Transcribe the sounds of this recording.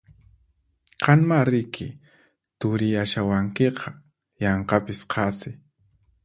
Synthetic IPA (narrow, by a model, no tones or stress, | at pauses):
qʰɑnmaɾɪkʰɪ̰ | t̪ʊɾɪjaʃawaŋkeqʰɑ | jɑɴqɑpɪsqʰɑsɪ